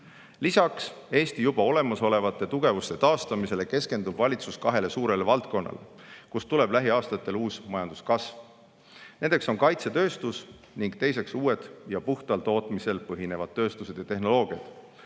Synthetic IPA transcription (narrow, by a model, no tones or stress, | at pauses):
lisɑkse̞ːst̪ijub̥ɑo̞le̞mɑso̞le̞vɑt̪ːˑe̞t̪uɡ̥e̞vust̪e̞t̪ɑːst̪ɑmise̞le̞ke̞ske̞nd̪ub̥vɑlʲit̪suskɑɦe̞le̞suːɾe̞levɑlt̪̚ko̞nːʔɑ̰le | kust̪ule̞b̥læɦiɑːst̪ɑt̪ːˑe̞luːsmɑjɑnd̪̥uskɑsv | ne̞nd̪̥e̞kso̞nkɑjt̪se̞t̪ø̞ːst̪us | niŋɡ̥t̪e̞jse̞ksuːe̞d̪̥jɑpuht̪ɑlt̪o̞ːt̪mise̞lpɤɦine̞vɑd̪̥t̪ːø̞ːst̪use̞d̪jɑt̪e̞hɦno̞lo̞ːɡ̥iɑd̪̥